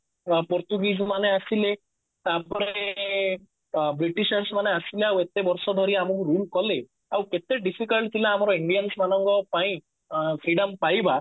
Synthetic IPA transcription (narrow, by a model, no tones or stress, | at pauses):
pɔɾt̪uɡismaneasile | t̪apɔɾe | bɾiʈiʃəɾsmaneasileawet̪ebɔɾsɔd̪ʱɔɾiamukɾulkɔle | awket̪eɖipʰikəlʈt̪ʰilaːmɔɾɔiɳɖijənsmanɔŋkɔpaĩ | pʰɾiɽɔmpajba